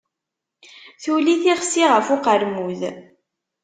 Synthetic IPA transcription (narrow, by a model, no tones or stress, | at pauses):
θuliθiʁsiʁəfʊqəɾmuð